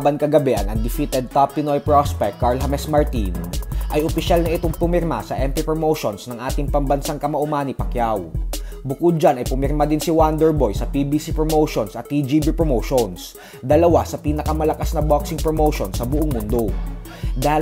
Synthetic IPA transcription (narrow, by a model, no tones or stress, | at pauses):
bɐnkɐɡɐbɛʔɐŋɐŋd̪ɪfit̪ɛd̪̚t̪apːɪnojpɹospɛk̚t̪kːaɹlɦɐmɛsmɐɹt̪inʔɐjʊpɪʃalnɐʔɪt̪oŋpʊmɪɾma̰sɐʔɛmp̪ɪpɹomowʃonsnɐŋʔaːt̪ɪŋpɐmbɐnsaŋkɐmɐʔʊmaːnɪpɐkjawbʊkʊd̪̚d͡ʒanɐjpʊmɪɾmad̪ɪnsɪwand̪ɛɹbo̞jsɐpibisipɹomowʃonsɐt̪̚ːid͡ʒibipɹomowʃons | d̪ɐlɐwasɐpiːnɐkɐmɐlɐkasnɐboksɪŋpɹomowʃonsɐbʊʔoŋmʊnd̪o̞ | d̪aː